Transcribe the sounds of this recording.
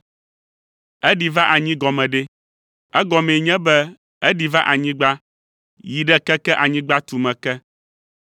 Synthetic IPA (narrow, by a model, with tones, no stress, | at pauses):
ɛ˦ɖi˨va˦ʔa˨ɲĩ˦ɡɔ˨mɛ̃˨ɖɛ˦ | ɛ˦ɡɔ˨mẽ˨ɲɛ̃˦bɛ˦ | ɛ˦ɖi˨va˦ʔa˨ɲĩ˦ɡ͡ba˦ | ji˨ɖɛ˦kɛ˦kɛ˦ʔa˨ɲĩ˦ɡ͡ba˦t̪u˨mɛ̃˨kɛ˦